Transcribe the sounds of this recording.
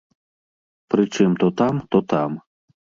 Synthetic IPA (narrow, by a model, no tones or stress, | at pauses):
pɾɨt͡ʂɨmt̪ɔt̪amt̪ɔt̪am